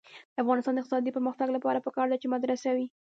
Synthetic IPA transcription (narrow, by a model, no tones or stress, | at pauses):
d̪̥əafɣɑnɪst̪ɑnd̪əɪq̚t̪ɪsɑd̪ipəɾməxt̪aɡlapɑɾapəkɑɾd̪at͡ʃemad̪ɾasawi